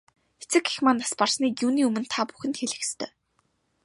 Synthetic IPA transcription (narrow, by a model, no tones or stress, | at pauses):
et͡sɘ̆ke̥xmaːnːasparsniːkjuːniːumɘ̆nt̪ʰapu̥xɘ̆nt̪xeɮɘ̆kst̪ʰœː